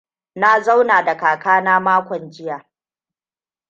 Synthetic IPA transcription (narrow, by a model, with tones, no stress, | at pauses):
na˦za˦wnaː˨da˨kaː˨kaː˦naː˦maː˦kʷɔ˨nd͡ʒɪ˦jaː˨